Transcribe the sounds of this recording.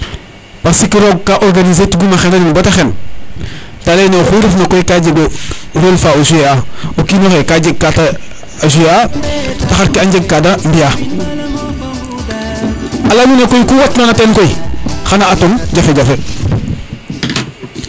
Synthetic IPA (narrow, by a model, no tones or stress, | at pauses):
pasikiɾoɡ̚kaʔoɾɡanizetuɡumaxenaninbataxen | talejnexuɾifnakoikaɟeɡoɾolfaosueaokinoxekaɟeɡ̚kata | as̬ujeataxaɾkiaɲɟeɡ̚kadambija | alamunekojikuwatnonateːnkoixanaatoŋɟafeɟafe